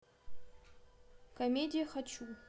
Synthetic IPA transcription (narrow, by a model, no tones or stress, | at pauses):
kʰomʲedijaχat͡ʃʰu